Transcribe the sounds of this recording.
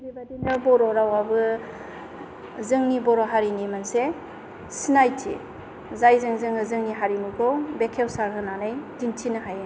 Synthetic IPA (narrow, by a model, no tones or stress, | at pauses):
bibadinɯbɔɾɔɾawabɯ | zɯŋnibɔɾɔɦaɾinimanse | sinajtʰḭ | zajzɯŋzɯŋɯzɯŋniɦaɾinukʰɔbekʰewsaɾɦɯnanɯjdintʰinɯɦaj